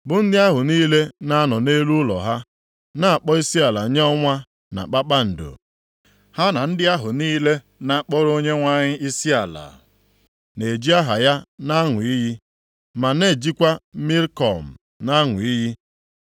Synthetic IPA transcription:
bʊ˨n̩˦dɪ˦a˦ɦʊ˨niː˦le˦na˦a˦nɔ˨ne˦lu˦lɔ̰˨ɦa˦ | na˦a˨k͡pɔ˦i˦si˦a˨la˨ɲe˦ɔ˦ŋʷa˦ | na̰˨k͡pa˦k͡pa˦n̩˨do̰˨ | ha˦na˨n̩˦dɪ˦a˦ɦʊ˨niː˦le˦ | na˨˦k͡pɔ˦ɾo˦ɲe˦ŋʷa˦ɲɪ˦ʔi˦si˦a˨la̰˨ | ne˨d͡ʒi˦a˦ɦa˨ja˦na˦ŋʊ˨i˦ɦi˦ | ma˨ne˨d͡ʒi˦kʷa˦mi˦ɾkɔ˨m̩˨ | na˦ŋʊ˨i˦ɦi˦

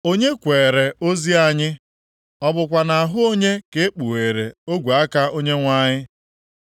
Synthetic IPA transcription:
o˦ɲe˦kʷeː˨ɾe˨o˦zi˦a˨ɲɪ˦ | ɔ˦bʊ˨kʷa˨na˨ɦʊ˦o˦ɲe˦ke˦k͡pu˨e˨ɾe˨o˦ɡʷa˦ka˦o˦ɲe˦ŋʷa˦˨ɲɪ˦

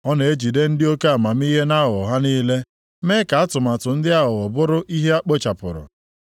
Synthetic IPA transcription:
ɔ˦ne˨e˦d͡ʒi˨de˦n̩˦dɪ˦o˦ke˦a˨ma˨m̩˦i˦ɦe˦na˦ɦʊ˨ɦa˦niː˦le˦ | me˦ka˨a˦tʊ˨ma˨tʊ˨n̩˦dɪ˦a˦ɦʊ˨ʊ˨bʊ˦ɾʊ˦ʔi˦ɦe˦a˦k͡po˦t͡ʃa˨pʊ̰˨ɾʊ̰˨

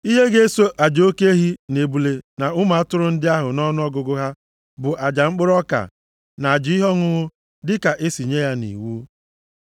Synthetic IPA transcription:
i˦ɦe˦ɡe˦so˦ʔa˨d͡ʒo˦ke˦ɦi˦ne˨bu˨le˨na˨ʊ˦ma˨a˦tʊ˦ɾʊ˦n̩˦dɪ˦a˦ɦʊ˨nɔ˦nʊ˦ɔ˦ɡʊ˨ɡʊ˦ɦa˦ | bʊ˨ʔa˨d͡ʒa˨ŋ͡m̩˦k͡pʊ˦ɾɔ˦ka̰˨ | na˨a˨d͡ʒi˨˦ɪ˦ɦɔ˦ŋʊ˦ɣʊ˦ | dɪ˦ka˨ʔe˦si˨ɲe˦ja˦nḭ˨wu˦

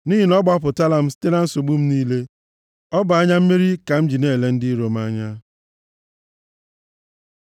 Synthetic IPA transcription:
niː˦ɦi˨nɔ˦ɡ͡ba˦p̬ʊ˨ta˦la˦m̩˦ste˦na˦n̩˦so˨ɡ͡bu˦m̩˦niː˦le˦ | ɔ˦bʊ˨a˦ɲa˦m̩˦me˦ɾi˦ka˨m̩˦d͡ʒi˨ne˦e˨le˦n̩˦di˦ɾo˨m˦a˦ɲa˦

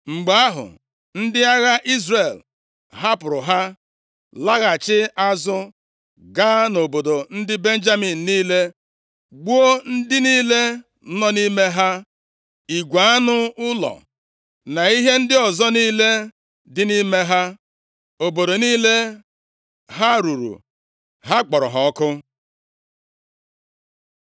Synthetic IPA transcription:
ŋ͡m̩˨ɡ͡ba˨a˦ɦʊ̰˨ | n̩˦dɪ˦a˦ɣa˦ʔi˦zre˨l | ɦa˦pʊ˨ɾʊ˨ɦa˦ | la˦ɣa˨t͡ʃɪ˦a˦zʊ˦ | ɡa˦no˨bo˨do˨n̩˦dɪ˦be˦n̩˦d͡ʒa˦mi˨n̩˨niː˦le˦ | ɡ͡bu˦o˦n̩˦dɪ˦niː˦le˦ | nɔ˦ni˦me˦ɦa˦ | i˨ɡʷa˨a˦nʊ˦ʊ˦lɔ̰˨ | na˨i˦ɦe˦n̩˦dɪ˦ɔ˨zɔ˦niː˦le˦ | dɪ˦ni˦me˦ɦa˦ | o˨bo˨do˨niː˦le˦ | ɦa˦ɾu˨ɾṵ˨ | ɦa˦k͡pɔ˨ɾɔ̰˨ɦɔ˨ɔ˦kʊ˦

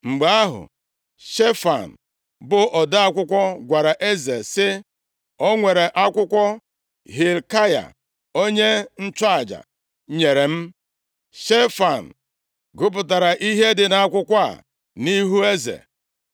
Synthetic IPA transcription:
ŋ͡m̩˨ɡ͡ba˨˦a˦ɦʊ̰˨ | ʃe˦fa̰˨n̩˨ | bʊ˨ʔɔ˨da˦a˦kʷʊ˦kʷɔ˦ɡʷa˨ɾa˨ʔe˦ze˨sɪ˦ | ɔ˦ŋʷe˨ɾe˨ʔa˦kʷʊ˦kʷɔ˦ | ɦi˨lka˦ja̰˨ | o˦ɲe˦n̩˦t͡ʃa˨d͡ʒa̰˨ | ɲe˨ɾe˨m̩˦ | ʃe˦fa˨n̩˨ | ɡʊ˦p̬ʊ˨ta˨ɾa˨ʔi˦ɦe˦dɪ˨na˨a˦kʷʊ˦kʷa̰˦˨ | ni˦ɦu˦e˦zḛ˨

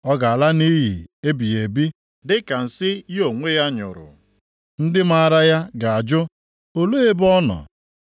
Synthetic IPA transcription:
ɔ˦ɡa˨a˨la˦ni˦ɦi˨e˦bi˨e˨bi˦ | dɪ˦ka˨n̩˨sɪ˦jo˨ŋʷe˦ja˦ɲʊ̰˨ɾʊ̰˨ | n̩˦dɪ˦ma˦a˦˨ɾa˦ja˦ɡa˨a˨d͡ʒʊ˦ | o˨lo˦e˦bɔ˦nɔ̰˨

